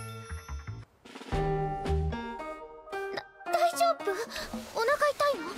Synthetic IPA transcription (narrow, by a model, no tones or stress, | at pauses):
d̪̥aid͡ʑoːbɯonakait̪aino